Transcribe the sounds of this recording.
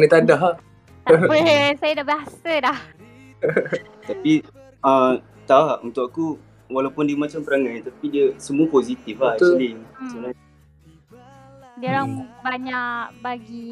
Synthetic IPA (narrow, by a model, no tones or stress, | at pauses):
nət̪adaɦa | t̪apəsajədabaɦasədah | t̪api | ə | t̪aaunt̪uʔkaku | walawpʊndiəmat͡ʃampəɾaŋãnt̪apidiəsəmuəpozit̪iflahulisəna | diɾabaɲaʔbaɡi